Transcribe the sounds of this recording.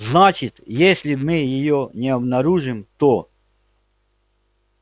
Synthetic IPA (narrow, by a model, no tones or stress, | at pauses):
znat͡ɕɪt̪jesʲlʲɪmɨjɪjonʲɪɐbnɐɾuʐɨmt̪o